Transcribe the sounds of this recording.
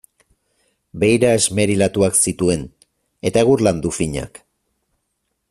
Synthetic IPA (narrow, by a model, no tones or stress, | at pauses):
be̞jɾae̞zme̞ɾilat̪uaksit̪ue̞n | e̞t̪aeɣuɾland̪ufiɲa̰k